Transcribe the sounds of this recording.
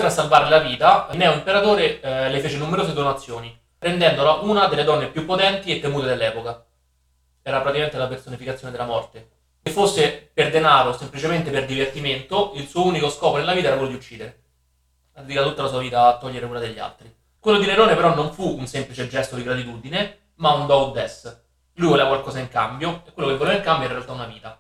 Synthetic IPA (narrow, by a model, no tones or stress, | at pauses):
ɾasːalvaːɾellaviːt̪anːɛuimpeɾat̪oːɾelefeːt͡ʃenumeɾoːzed̪onat̪sːjoːni | ɾend̪ɛnd̪olaʔunad̪elːed̪ɔnːepjupːot̪ɛnt̪iet̪ːemuːt̪ed̪elːɛːpoka | ɛːɾapɾat̪ikament̪lapersonifikat̪sjoːned̪elːamɔrt̪e | efːosːeperd̪enaːɾosemplit͡ʃement̪eperd̪ivert̪iment̪oilsuːouːnikoskɔːponelavit̪aɛɾakwelːod̪iut͡ʃːiːd̪eɾe | ad̪iːɾat̪ut̪ːalasuːaviːt̪aːt̪ːɔʎːeɾekulad̪eʎːa̰lt̪ɾi | kwelːod̪ineɾɔːnepeɾɔnːoɱfuːnsemplit͡ʃed͡ʒːɛst̪od̪iɡɾat̪it̪uːd̪ine | maund̪ɔwd̪ɛs | lujvɔleakwalkɔːzaiŋkambjoekwelːokevːolevaiŋkambjoɛɾrɾealt̪aunaviːt̪a